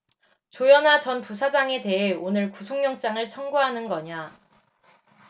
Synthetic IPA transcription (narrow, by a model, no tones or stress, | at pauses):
t͡ɕojʌnat͡ɕʌnpusʰad͡ʑaŋe̞te̞ɦe̞onɯɭkusʰoŋɲjʌŋt͡ɕ͈aŋɯɭt͡ɕʰʌŋɡuɦanɯnɡʌɲa